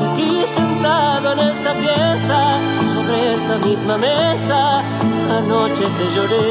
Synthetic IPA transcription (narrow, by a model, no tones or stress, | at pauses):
isent̪aðoenest̪ɐpjesɐ | soβɾeest̪ɐmizmɐmesa | anot͡ʃeðeʒoɾe